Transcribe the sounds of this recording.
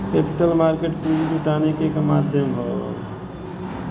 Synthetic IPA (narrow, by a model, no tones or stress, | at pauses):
kepi̥ʈəlmaɾkeʈpɾid͡ʒid͡ʒuʈanekekemad̪ʱjəmbʱə̰l